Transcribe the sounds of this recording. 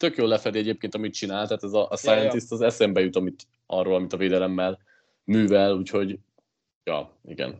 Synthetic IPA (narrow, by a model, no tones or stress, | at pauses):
t̪økjoːlːɛfɛd̪iɛɟeːp̚keːnt̪ɒmit̪̚t͡ʃinaːlt̪ɛaːt̪ɛzɒʔsajɛnist̪ɒzɛsɛmbɛjut̪ɒmit̪ | ʔɒroːlɒmit̪ɒveːd̪ɛlɛmːɛl | myːvɛluːcho̞ɟ | jɒ̰ː | ḭɡɛ̰n